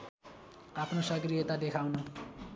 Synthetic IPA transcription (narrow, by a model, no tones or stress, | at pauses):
apnosaɡɾiet̪ad̪ekʰawnɔ